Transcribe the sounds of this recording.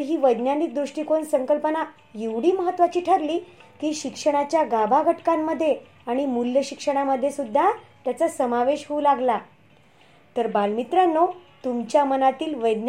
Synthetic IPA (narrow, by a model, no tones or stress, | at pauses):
ɦiːʋəjd̪njanik̚d̪ɾuʂʈiːkonsəŋkəlpəna | jeʋɽ̤iːməɦət̪ːʋat͡ɕiːʈʰəɾliːkiːɕikʂəɽ̃at͡ɕjaɡabʱaɡʱəʈkamːəd̪ʱːje | aɽ̃imuljəɕikʂəɽ̃aməd̪ʱːjesud̪ʱːat̪jat͡sasəmaʋeɕɦuulaɡla | t̪əɾbalmit̪ɾanːot̪umt͡ɕjamənat̪iːlʋəjd̪n